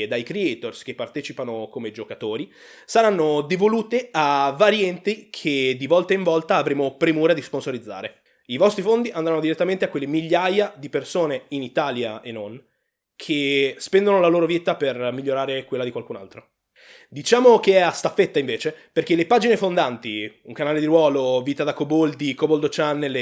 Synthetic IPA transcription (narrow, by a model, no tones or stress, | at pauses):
d̪ajkɾeɛjt̪orsk̟epːart̪ɛːt͡ʃipanokomed͡ʒokat̪oːɾi | saɾanːod̪evoluːt̪eavaɾjɛnt̪ikʰed̪ivɔlt̪aiɱvɔlt̪aːvɾeːmopɾemuːɾad̪isponsoɾid̪zːa̰ːɾe | ivɔst̪ɾifond̪iʔand̪ɾanːod̪iɾet̪ːament̪eakːwelːemiʎːajad̪ipersoːneinit̪aːlja̰enːon | kʰespɛnd̪onolaloːɾoviːt̪apermiʎːoɾaːɾekwelːad̪ikwalkuna̰lt̪ɾo | d̪it͡ʃaːmokeɛast̪afːet̪ːaiɱveːt͡ʃeperk̟elepaːd͡ʒinefond̪ant̪iuŋkanaːled̪iɾwɔːloviːt̪ad̪akobold̪ikobold̪ot͡ʃanːel